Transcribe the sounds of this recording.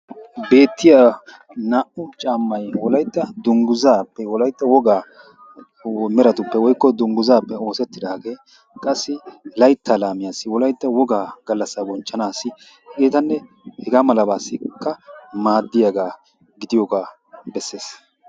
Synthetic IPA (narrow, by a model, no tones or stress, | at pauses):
be̞ːt̪ːɪjaː | naːʔʊt͡ʃʼaːmːɐjwɔlɐjt̪ːɐd̪ʊŋɡʊzaːpːɛwɔlɐjt̪ːɐwɔɡaː | mɛɾɐt̪ʊpːɛwɔjkːɔd̪ʊŋɡʊzaːpːɛo̞ːsɛt̪ːɪd̪aːɡe̞ː | kʼɐsːɪlɐjt̪ʰːalaːmɪjaːsːɪwɔlɐjt̪ːɐwɔɡaːɡ̥ɐlːɐsːabɔnt͡ʃːɐnaːsɪ | ɡeːt̪ɐnːɛ | hɛɡaːmɐlɐbaːsːɪkːɐmaːd̪ːɪjɐɡaː | ɡɪd̪ɪjoːɡaː | bɛsːe̞ːs